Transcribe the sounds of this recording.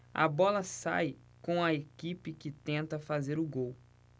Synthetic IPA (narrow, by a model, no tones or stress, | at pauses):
ɐ̰bɔlɐsa̰j | kõw̃ɐekipɪkɪt̪ẽnt̪ɐfazeɾʊɡow